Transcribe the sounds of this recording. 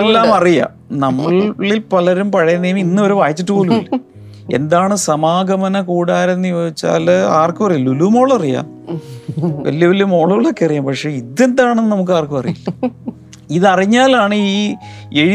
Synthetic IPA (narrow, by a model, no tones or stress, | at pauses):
elːaːmɐrijɐ̰ | nɐmːɐɭilpɐlɐɾumpɐɻɐjɐnːɐjuminːɨo̞ɾuʋaːjt͡ɕːiʈːɨpoːlumilː | e̞̰nd̪aːɳɨsɐmaːɡɐmɐnɐkuːɽaːɾenːɨjo̞ːɡit͡ɕːa̰ːlaːrkːɨmɐrijɐlulumo̞ːɭɐrija̰ː | ʋɐ̰lːijɐʋɐljmo̞ːɭuːɭːokːeɐrijaːmpɐkʂe̞ːiðe̞nd̪aːɳenːɨnɐmuk̬ːɨaːrkːɨmɐrijḭlːɐ | iðɨɐriɲːaːlaːɳɨiːe̞ɻi